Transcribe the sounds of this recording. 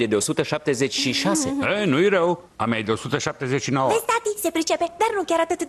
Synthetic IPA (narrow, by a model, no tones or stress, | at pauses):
ed̪eo̞sut̪əʃap̚t̪e̞ze̞t͡ʃʲʃiʃase̞̰ənujɾəw | amajd̪eo̞sut̪əʃap̚t̪e̞zet͡ʃʲʃinowəpest̪at̪ise̞pɾit͡ʃe̞pe̞d̪arnukʲaɾat̪ɨt̪